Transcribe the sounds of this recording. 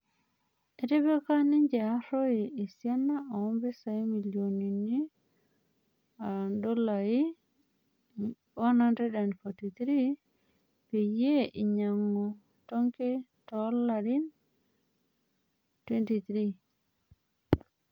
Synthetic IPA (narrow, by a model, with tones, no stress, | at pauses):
e˨te˦be˦ka˦ni˦ɲd͡ʒa˨˦ɾo˦iː˨sja˦nːa˦ʔo˨ɔ˦mbe˦sa˨i˦mi˨ljo˨ni˨ni˦ | ado˦la˨i˦ | wa˦nante˦da˨nfotit̪ɾi | pe˨je˦ʔi˨ɲa˨ŋːo˨ | to˦ŋke˦tɔlaɾi˦n | twe˦nti˨t̪ɾi